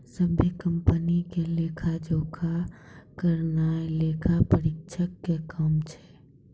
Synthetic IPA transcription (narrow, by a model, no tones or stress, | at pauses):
səbʱjəkəmpənikelekʰad͡ʒokʰakəɾnaelekʰapəɾikʃʰəkːekəmt͡ʃʰɛ̥